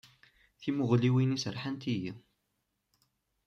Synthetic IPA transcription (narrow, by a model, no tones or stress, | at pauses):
θimʊʁliwinisəɾħənt̪iji